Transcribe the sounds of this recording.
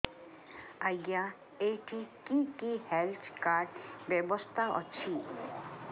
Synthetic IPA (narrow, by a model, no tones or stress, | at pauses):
aja | eʈikikihelt̪ʰkaɾɖbebɔst̪ʰaʔɔ̰t͡ʃʰi